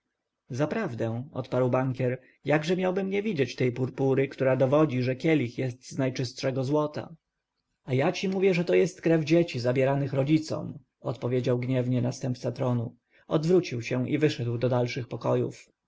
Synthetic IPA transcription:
zapɾavd̪ɛ̃ɔ̰t̪paɾwbaŋkʲɛɾ | jaɡʐɛmʲjawbɘmɲɛvʲid͡ʑet͡ɕt̪ɛjpuɾpuɾɘkt̪uɾad̪ɔvɔd͡ʑiʐɛkʲɛlʲixjɛst̪znajt͡ʂɘst̪ʂɛɡɔzwɔt̪a̰ | ajat͡ɕimuvʲjɛʐɛt̪ɔjɛst̪kɾɛvd͡ʑet͡ɕizabʲjɛɾanɘxɾɔd͡ʑit̪sɔ̰m | ɔt̪pɔvʲjed͡ʑawɡɲɛvɲɛnast̪ɛmpt̪sat̪ɾɔnu | ɔd̪vɾut͡ɕiwɕɛ̃ʔivɘʂɛd̪wd̪ɔd̪alʂɘxpɔkɔjṵf

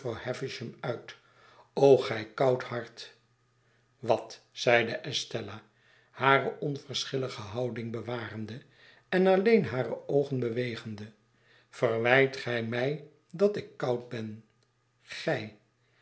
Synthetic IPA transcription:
rawhɛfɪʃəmœɥt | owχɛjkɑwthɑɹt | ʋɑt | sɛjdəʔɛstɛla | haːɾəʔɔnvərsχɪləχəɦɑwdɪŋbəʋaːrəndə | ɛnɑlejnɦaːrəowχənbəʋejχəndə | v̥ərʋɛjtχɛjmɛj | dɑtɪkːɑwt̚bɛn | χɛj

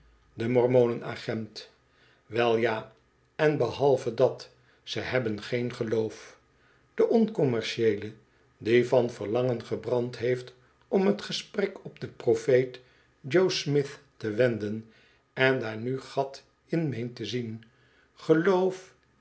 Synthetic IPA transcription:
dəmɔɹmownəna̰χɛnt | ʋɛlˠjaː | ɛnbəhɑlˠvədɑt | səɦɛbənχejnχəlowf | d̥əʔɔnkɔmɛɹʃejlə | divɑnvəɹlɑŋənχəbrɑntɦejft | ʔɔmɦətχəsprɛkɔpdəprofejt | d͡ʒowsmɪθ | təʋɛndən | ɛndaːɹnyχɑt | ɪnmejntəzin | χəlowf

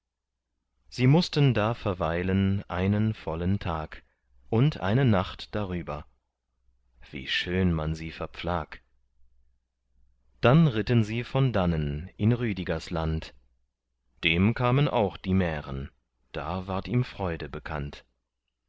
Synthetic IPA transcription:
z̥iːmʊstəndaːfɛɐvaɪlənʔa̰ɪnənfɔləntʰaːk | ʔʊntʔa̰ɪnənaχtd̥aʁyːbɐ | v̥ḭːʃøːnmanziːfɛɐp͡flaːk | d̥anʁɪtənziːfɔndanənʔɪnʁyːdiɡɐslant | d̥eːmkʰaːmənʔa̰ʊxd̥iːmɛːʁən | d̥a̰ːvaːɐtiːmfʁ̥ɔʏdəbəkʰa̰nt

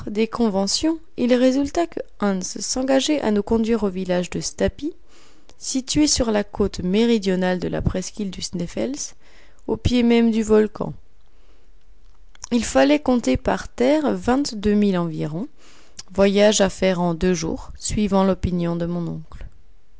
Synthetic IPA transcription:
d̪ekɔ̃vɑ̃sjɔ̃ | ilʁezylt̪akə | ɛ̃nssɑ̃ɡaʒɛʔa̰nukɔ̃d̪ɥiʁovilaʒd̪əst̪api | sit̪ɥesyʁlakʰot̪meʁid̪jɔnald̪əla̰pχɛskʲild̪ysnɛfɛ̰ls | opjemɛmd̪yvɔlkɑ̰̃ | ilfalɛkɔ̃t̪epaʁt̪ɛʁvɛ̃t̪d̪ømilɑ̃viʁɔ̃ | vwajaʒafɛʁɑ̃d̪øʒṵːʁsɥivɑ̃lɔpinjɔ̃d̪əmɔ̃nɔ̃kl

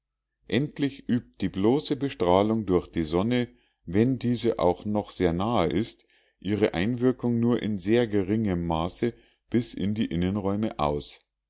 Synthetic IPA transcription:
ʔɛntlɪçʔyːp̚t̚d̥iːbloːsəbəʃtʁ̥aːlʊŋdʊɐçd̥iːzɔnə | vɛndiːzəʔa̰ʊxnɔχz̥eːɐnaːəʔɪst | ʔiːʁəʔaɪnvɪɐkʊŋnuːɐʔɪnzeːɐɡəʁɪŋəmːaːsə | b̥ɪsɪ̰ndiːʔɪnənʁɔʏməʔa̰ʊs

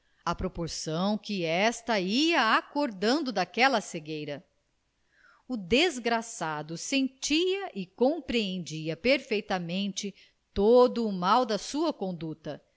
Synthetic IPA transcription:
ɐpɾopoɾsɐ̃w̃kɪɛst̪ɐiɐakoɾd̪ɐ̃nd̪ʊd̪akɛlɐseɡejɾɐ | ʊd̪ezɡɾasad̪ʊsẽnt͡ʃiɐʔɪkõpɾiẽnd͡ʒiɐpeɾfejt̪ɐmẽnt͡ʃɪ | t̪od̪ʊːmawd̪ɐsuɐkõnd̪ut̪ɐ

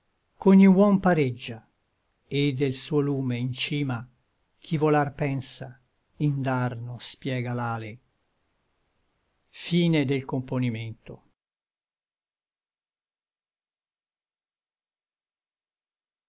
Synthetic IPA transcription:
koɲːiwɔmpaɾed͡ʒːa | ed̪ːelsuːoluːmeint͡ʃiːma | k̟ʰivolarpɛnsa | ind̪arnospjɛːɡalaːle | fiːned̪elkomponiment̪o

